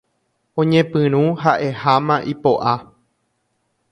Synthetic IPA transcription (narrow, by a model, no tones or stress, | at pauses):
õɲẽpɨ̃ɾ̃ũɦaʔe̞hamãʔipoʔa